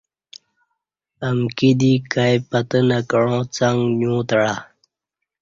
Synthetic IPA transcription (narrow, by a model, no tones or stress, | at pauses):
əmkid̪ikajpat̪ənakəɻõːt͡saŋɡɲũːt̪ɽa